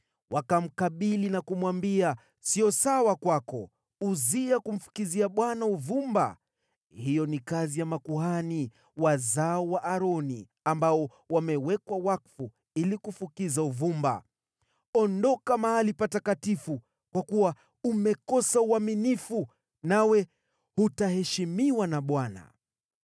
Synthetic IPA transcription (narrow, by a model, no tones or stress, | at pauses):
wʔakam̩kaɓilinakumwambia | siɔsawakwakɔ | uziakum̩fu̥kiziaɓwanauvumba̰ | hijɔnikazijamakuhani | wazaɔwaʔaɾɔnḭ | ambaɔ | wamɛwɛkwawakfu | ilikufukizauvumba̰ | ɔndɔkamahalipatakatifu | kwakuwa | umɛkɔsauaminifu | nawɛ | hutahɛʃimiwanaɓwana̰